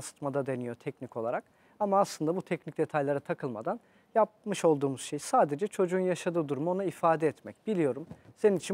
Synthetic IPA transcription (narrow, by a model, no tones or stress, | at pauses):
sɯ̥t̪mad̪ad̪e̞nijo̞t̪ʰɛcniko̞lˠaɾak | amaːslˠɯnd̪abut̪ʰɛcnic̚d̪e̞t̪ʰajlʲˠaɾɯt̪ʰakʰɯlˠma̰d̪an | jap̚mɯʃo̞lˠd̪uːmuz̥ʃe̞jsaːd̪e̞d͡ʒɛt͡ʃʰo̞d͡ʒuːunjaʃad̪ɯːd̪uɾumo̞naifaːd̪ɛɛt̪mɛcbilʲijo̞ɾumse̞ninit͡ʃʰi